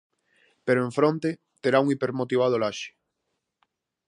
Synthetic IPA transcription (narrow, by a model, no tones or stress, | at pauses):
peɾoẽɱfɾõnt̪e | t̪eɾauŋipeɾmot̪iβ̞að̞olaʃe̥